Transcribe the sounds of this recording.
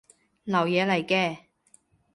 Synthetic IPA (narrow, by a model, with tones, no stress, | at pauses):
lɐ˨˩wjɛː˨˧lɐ˨˩jkɛː˧